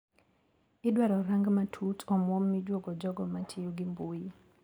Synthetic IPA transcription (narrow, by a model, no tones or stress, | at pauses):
ɪdwaɾɔɾaŋɡmatʰutʰɔmwɔmːid͡ʒwoɡɔd͡ʒɔɡɔmatʰɪjuɡɪmbuji